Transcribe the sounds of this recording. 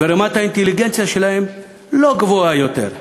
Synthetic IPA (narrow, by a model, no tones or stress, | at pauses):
eɾemat̪aint̪eliɡent͡sjaʃelahe̞m | lo̞ɡvoajot̪e̞̰ɾ